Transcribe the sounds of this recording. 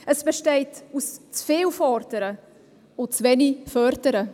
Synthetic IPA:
ʔəsb̥ɛʃtɛɪtust͡sfeːlfɔɾdəɾə | ʊt͡svɛnifœɾdəɾə

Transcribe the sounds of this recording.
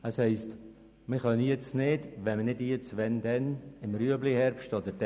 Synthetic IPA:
əshɛɪst | məχœnəjet͡snɪdʋɛnmənɪdjet͡sʋɛnd̥ɛnɪmɾyəblihɛɾpʃtɔdəd̥

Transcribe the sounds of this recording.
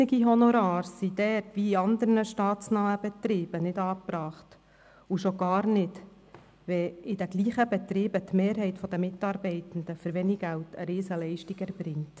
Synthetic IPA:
ɪɡiɦɔnoɾɑːɾssid̥̪ɛrtʋiiɑnd̪əɾnəʃtɑːt̪t͡snaːəb̥ɛt̪ɾiːb̥ənɪdɑːpɾɑːχt | uʃoɡ̥ɑːɾnɪd | ʋɛɪd̥æɡliːχəbɛt̪ɾiːbət̪meːɾɦɛɪtfɔd̪əmɪt̪ɑːɾbɛɪt̪ən̩d̪əfɵɾʋeniɡæltʰəɾɪːsəlɛɪʃtiɡɛɾbɾɪŋt

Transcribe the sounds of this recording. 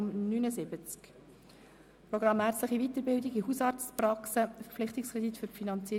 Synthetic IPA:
mnynəsɪbət͡sk | pɾɔɡɾɑmhæːɾt͡sləχivit̪əɾbɪldɪɡiɦusɑːɾst͡spɾɑksəfəɾflɪχt̪ɪkskʁɛd̪itfʏɾfinɑnt͡siː

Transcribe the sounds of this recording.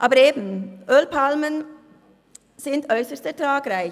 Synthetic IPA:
ʔɑːbəɾeːbn̩ʔølpʰɑlmən | sɪnt̪œʏsəstətɾɑːɡɾæɪ

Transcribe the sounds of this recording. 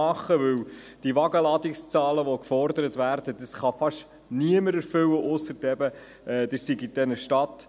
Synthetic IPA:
ɑχːəʋɵw | d̥iʋɑɡəlɑd̪ɪkst͡sɑːləʋɔkfɔɾdəɾət̪ʋæːɾd̥əd̥̪əsχɑfɑʃ | niəməɾɛɾfɵwəʔʊsːətɛbə | ʔɛːd̥̪əsiɡidɛnəʃtɑt̪

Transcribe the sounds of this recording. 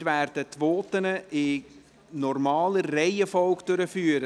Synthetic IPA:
tʋæːrd̥ətʋoːtənəʔɪ | nɔrmɑːləːɛɪəfɔlkd̥øɾəfyːɾə

